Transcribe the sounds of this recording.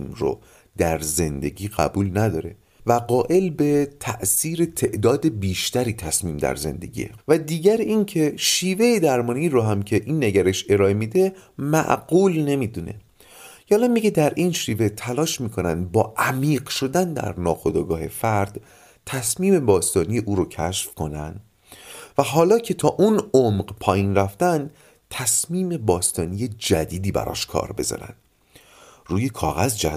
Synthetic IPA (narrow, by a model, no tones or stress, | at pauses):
imɾo̰ | d̪̥æɾze̞nd̪e̞̰ɟiːɣæ̰buːlnæd̪ɒːɾe̞̰ | væɢɒːʔe̞lbe̞t̪ʰæʔsiːɾet̪ʰe̞ʔd̪ɒːd̪e̞biːʃt̪æɾiːt̪ʰæ̰smiːmd̪æ̰ɾze̞̰nd̪e̞̰ɟʲḭḛvæd̪iːɟæɾincʰe̞ʃiːve̞jed̪æɾmɒːniːɾoɦæmcʰe̞ʔinːeɟæɾeʃe̞ɾɒːemid̪e̞mæ̰ʔɢuːlne̞miːd̪une̞̰ | jɒːlæmmːiɟed̪æɾʔinʃive̞t̪ʰælɒːʃmiːkʰo̞nænd̪bɒːʔæmiːɢʃo̞d̪ænd̪æ̰ɾnɒːxod̪ɒːɡɒːhe̞fæɾd̪ | t̪ʰæsmiːme̞bɒːst̪ɒːnijeʔuːɾocʰæʃfkʰo̞nænd̪̥ | væɦɒːlɒːcʰe̞t̪ʰɒːʔunomɢpʰɒːjinræft̪ænd̪ | t̪ʰæsmiːme̞bɒːst̪ɒːnijed͡ʒæd̪iːd̪iːbæ̰ɾɒ̰ʃkʰɒ̰ːɾbe̞̰zɒ̰ɾæ̰nd̪̥ | ruːjekʰɒːɣæzd͡ʒæ̰